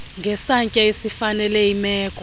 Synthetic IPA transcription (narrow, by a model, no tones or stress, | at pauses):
ŋɡʱɛsaɲcʼaesifanɛlɛimɛːkʼɔ